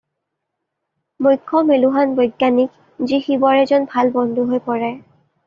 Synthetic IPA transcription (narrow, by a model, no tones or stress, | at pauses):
mujkʰːɔmeluɦanbɔjɡːanik̚ | zixibɔɹɛzɔnbʱalbɔndʱuɦojpɔɹɛ